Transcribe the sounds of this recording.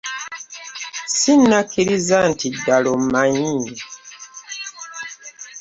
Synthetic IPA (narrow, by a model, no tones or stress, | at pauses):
sinːakiɾizantidalomaɲi